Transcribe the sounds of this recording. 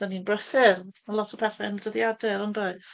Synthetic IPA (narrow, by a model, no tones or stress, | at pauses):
d̥aninbrəθɪrmalˠɔtʰɔpʰɛθɛndəðjadɛɾɔnboɨθ